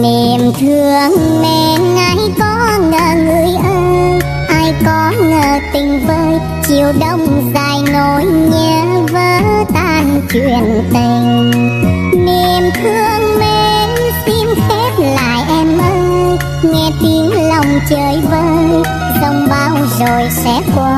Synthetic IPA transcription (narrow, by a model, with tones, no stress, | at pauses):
ne˨˩mt̪ʰɨ˧əŋmɛ˧˩nʔa˧˦jkɔ˨˦ŋəː˨˩ŋɨ˨˧˨əjʔəː˧jj | ʔaː˧jkɔ˨˦ŋəː˨˩t̪ï˨˩ŋ̟vəː˧j | t͡ɕi˧˩əwɗə˧wŋ͡mzaː˧˨˩jno˧˩jɲəː˧˦vəː˨˦t̪aː˧˩nt͡ɕwi˨ənt̪i˨˩ŋ | ne˧˩mt̪ʰɨ˧əŋmɛ˧˨n | si˧msɛ˦˥p̚la̰ː˧˨jʔɛ˧mʔəː˧jj | ŋɛ˧˩t̪i˨˦əŋla˨˧˩wŋ͡mt͡ɕəː˨˦jvəː˧˦j | zə˧wŋ͡mɓaː˧˦wzo˨˩jsɛ̰˧˥kwa˧˩